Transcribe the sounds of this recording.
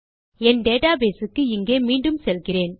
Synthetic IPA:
ɛnɖeːʈaːbeːsɯkːɯɪŋɡeːmiːɳɖɯmsɛlɣɪreːn

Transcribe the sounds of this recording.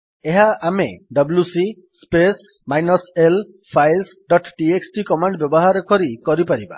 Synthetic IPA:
eɦaamḛɖɔblusi | spes | majnɔsel | pʰajlsɖɔʈʈieksʈikɔmaɳɖbjɔbɔɦaɾɔkɔɾikɔɾipaɾiba̰

